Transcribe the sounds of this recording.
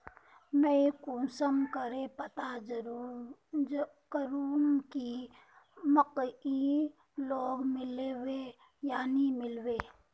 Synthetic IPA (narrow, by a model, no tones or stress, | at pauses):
meikũːsəmkəɾepət̪ad͡ʒəɾu | kəɾuːmki | məqi | loːɡmɪlewe | jaːnimɪlweː